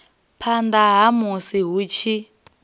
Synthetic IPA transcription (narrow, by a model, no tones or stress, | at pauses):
pʰand̪aɦamusiɦut͡ʃʰi